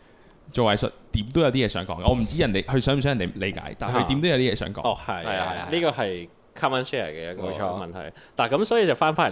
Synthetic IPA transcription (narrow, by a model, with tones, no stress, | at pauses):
t͡so˨wa˨˧jsə̰˨t̚t̪iː˨˥mt̪o˥wjɐ˨˧wt̪iː˥jɛː˧sœː˨˥ŋkɔː˨˦ŋkaː˧˨ɔː˨˧m̩˨˩t͡siː˥jɐ˨˩nt̪e˨jhɵ˧sœː˨˥˨sœː˨˥˨nt̪le˨˧ka̰ː˨˥jt̪aː˨˩hɵ˧t̪i˨˧˦mo˥wjwt̪iː˥ɛː˧sœː˨˥ŋkɔ̰ː˧˦ɔ˨˩hɐ˨˩jhɐ˨jaɐ˨˧liː˥kɔː˧hɐ˨j | kʰa˥maː˥nʃɛː˥˩ə̰˨˩kɛ˧jɐ˦˥kɔː˧t͡ʃʰɔ˨˥mɐ˨nt̪ʰɐ̰˨˩jt̪aː˨˩kɐ˨˦msɔː˨˥ji˧t͡sɐ˨˩wfaː˥nfaː˥n˨˩